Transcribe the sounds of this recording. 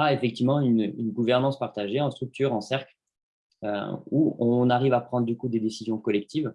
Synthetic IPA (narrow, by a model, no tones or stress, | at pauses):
aefɛk̚t̪ivmɑ̃ynynɡuvɛʁnɑ̃spaʁt̪aʒeɑ̃st̪χyk̚t̪yʁɑ̃sɛʁkl | ø̰uɔ̃naʁivapχɑ̃d̪ʁd̪ykud̪ed̪esizjɔ̃kɔlɛk̚t̪iv